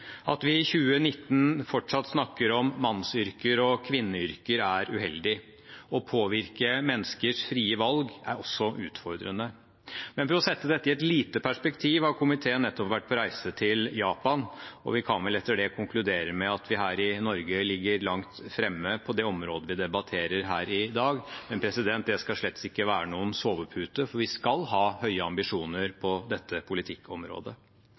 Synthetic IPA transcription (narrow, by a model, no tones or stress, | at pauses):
ɑ̰t̪ʋɪːçʉːənɪt̪ːn̩fɔʈʂɑt̪ːsnɑkːəɾɔmːɑnsʏɾkəɾɔkʰʋɪnːəʏɾkəɾæɾʉɦɛld̪ɪ | ɔpʰoːʋɪɾkəmɛnskəʂfɾiːəʋɑlɡæ̰ɾɔsːɔʔʉːt̪fɔɾd̪ɾənə | mɛnfəɾɔsɛt̪ːəd̪ɛt̪ːɪɛt̪liːt̪əpʰæʂpɛkt̪ʰiːʋhɑɾkʰʊmɪt̪ʰeːənɛt̪ːɔpʋæʈ̚ːpʰɔɾæɪsət̪ʰɪljɑːpɑnɔ̰ʋɪkʰɑnʋɛlɛt̪ːəɖɛkʰʊŋklʉd̪eːɾəmɛɑt̪ʰʋɪɦæːɾɪnɔɾɡəlɪɡːəɾlɑŋt̪fɾɛmːəpʰɔd̪ɛɔmɾoːd̪əʋɪd̪ɛbɑt̪ʰeːɾəɾɦæːɾɪd̪ɑːɡmɛnpʰɾɛsɪd̪ɛnt̪̚d̪ɛskɑʂɭɛt̪ːɪkːəʋæːɾənuːənsoːʋəpʰʉːt̪əfɔɾʋɪskɑlɦɑːhœʏəɑmbɪʂuːnəɾpʰɔd̪ɛt̪ːəpʰʊlɪt̪ʰɪkʰːɔmɾo̰ːd̪ə